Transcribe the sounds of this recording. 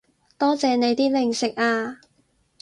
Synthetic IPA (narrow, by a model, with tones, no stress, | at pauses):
t̪ɔː˥t͡sɛː˧ne˨˧jt̪iː˥lɪ˨˩ŋsɪ˨k̚aː˧